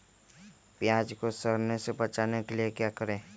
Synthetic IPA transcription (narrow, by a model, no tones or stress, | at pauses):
pjaːd͡ʒkosəɾnesebɐt͡ʃaːnekeliekjaːkəɾẽː